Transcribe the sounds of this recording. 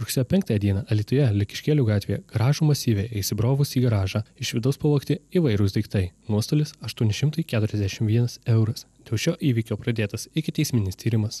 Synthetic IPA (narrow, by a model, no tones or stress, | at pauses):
ɾʊksʲeːjoːpʲɛŋk̚t̪ɑːjɛd̪ʲiɛnɑːʔɐlʲiːt̪ʊjɛlʲɪkʲɪ̥ʃʲkʲeːlʲuːɡɑːt̪ʲʋʲeːjɛ̰ɡ̥ɐɾɑːʒuːmɐsʲiːʋʲeːjɛɪsʲɪbɾoːʋʊsiːɡɐɾɑːʒɑːɪʃʋʲɪd̪ɐʊspɐlˠuːkt̪ʲɪiːʋɐɪɾʊsd̪ʲɐɪkt̪ɐɪnuɔst̪oːlʲɪsɐʃt̪uɔnʲɪʃʲɪmt̪ɐɪkʲæːt̪ʊɾʲɛzd̪ʲæʃʲɪmʋʲiɛnɐsɛʊɾɐsd̪ʲeːlˠʃʲoːʔiːʋʲiːkʲoːpɾɐd̪ʲeːt̪ɐsɪkʲɪt̪ʲɛɪsʲmʲɪnʲɪst̪ʲiːɾʲɪmɐs